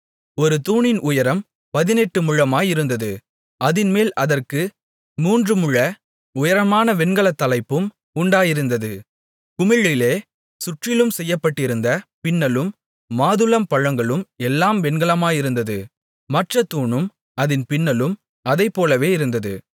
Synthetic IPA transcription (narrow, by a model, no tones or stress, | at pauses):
ɔɾɯt̪uːɳɪnʊjɐɾɐm | pɐðɪnɛʈːɯmʊɻɐmaːjɪɾɯnd̪ɐðɯ | ʔɐðɪnmeːlɐðɐrkɯ | muːndrɯmʊɭːɐ | ʊjɐɾɐmaːnɐʋɛɳɡɐɭɐt̪ːɐlɐɪpːɯm | ʊɳɖaːjɪɾɯnd̪ɐðɯ | kʊmɪɻɪleː | sʊʈrɪlɯmsɛjːɐpːɐʈːɪɾɯnd̪ɐpɪnːɐlɯmː | aːðɯlɐmpɐɻɐŋɡɐɭɯmɛlːaːmʋɛɳɡɐɭɐmaːjɪɾɯnd̪ɐðɯ | mɐʈrɐt̪uːɳɯm | ɐðɪnpɪnːɐlɯm | ɐðɐɪpːoːlɐʋeːɪɾɯnd̪ɐðɯ